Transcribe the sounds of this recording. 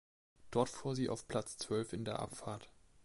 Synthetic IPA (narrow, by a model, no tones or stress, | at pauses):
d̥ɔɐtfuːɐziːʔa̰ʊfpʰl̥at͡st͡sv̥œlfɪndeːɐʔa̰pfaːɐt